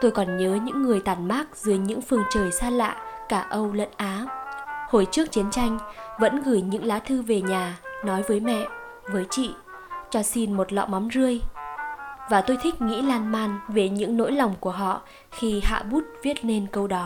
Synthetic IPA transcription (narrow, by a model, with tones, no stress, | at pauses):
t̪o˧jkɔ˨˩nɲəː˨˦ɲɨ̰˧˥ŋːɨ˨˩əjt̪aː˧˩nmaː˦˥k̚zɨ˨˦əjɲɨ̰˧˥ŋfɨ˨˩əŋt͡ɕəː˨˩jsaː˧la̰ː˧˨ʔkaː˧˩ʔə˧wlə̰˧˥nʔaː˨˦ho˧˩jt͡ɕɨ˦˥ək̚t͡ɕi˨˦ənt͡ɕa˧jŋ̟və̰˧˥nɣɨː˧˩jɲɨ̰˧˥ŋlaː˨˦t̪ʰɨ˧ve˨˩ɲaː˨˩nɔ˨˦jvəː˨˦jmɛ̰˧˨ | vəː˨˦jt͡ɕḭ˧˨ | t͡ɕɔ˧si˧nmo˨˩t̚lɔ̰˧˨ma˨˦mzɨ˧əj | vaː˨˩t̪o˧jt̪ʰi˦˥k̟̚ŋḭ˧˥laː˧nmaː˧nve˨˩ɲɨ̰˧˥ŋno̰˧˥jla˨˩wŋ͡mku˧˩əɦɔ̰˧˨ | xi˧ha̰ː˧˨ɓu˦˥t̚vi˦˥ət̚ne˧nkə˧wɗɔ˨˦